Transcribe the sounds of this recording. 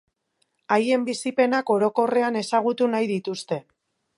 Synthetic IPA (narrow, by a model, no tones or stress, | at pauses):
aje̞mbisipe̞nako̞ɾo̞ko̞re̞ane̞saɣ̞ut̪unajðit̪ust̪e̞